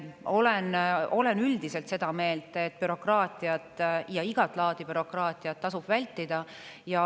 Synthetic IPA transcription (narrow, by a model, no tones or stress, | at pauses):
o̞le̞no̞le̞nyld̪̥ise̞lt̪se̞d̪̥ɑme̞ːlt̪ˑet̪̚ːpyɾo̞krɑːt̪ˑiɑt̪jɑiɡ̥ɑt̪ːˑlɑːd̪ibyɾo̞krɑːt̪ˑiɑt̪ːɑsub̥vælʲt̪ːˑid̪̥ɑ | jɑ